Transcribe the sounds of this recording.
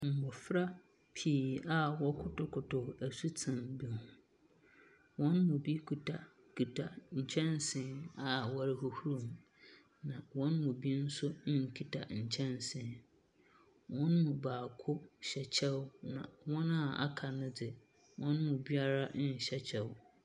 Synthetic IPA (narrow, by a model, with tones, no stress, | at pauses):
m̩˨bɔ˨fɾa˦ | pʰiː˨˦˨a˦wɔ˦kʰʊ˦tʊ˨kʰʊ˨tʰʊ˨æ˨su˦tʰɪ̃˨mbi˨hũ˨ | wɔ̃˦nːʊ̃˨bi˦kʰu˨tʰa˨ | kʰi˨tʰa˨ɲ̩˨t͡ɕʰɛ̃˦nsɪ̃˨˦na˨wɔ˦ɾɪ˦hʊ˨hu˦ɾũ˨m | nã˨wɔ̃˦nmʊ̃˨bi˦n̩˦sʊ˦n̩˦ŋ̩˨kʰi˨tʰa̰˨ɲ̩˨t͡ɕʰɛ̃˦nsɪ̃˨ | wɔ̃˦nːʊ̃˨baː˨kʰʊ˦ɕɛ˨t͡ɕʰɛ˦wnã̰˨wɔ̃˦nã˦˨a̰˨kʰa˨nʊ̃˦dɪ˨ | wʔɔ̃˦nːʊ̃˨bi˦a˦ɾa˦˨ɕɛ˦t͡ɕʰɛ˨w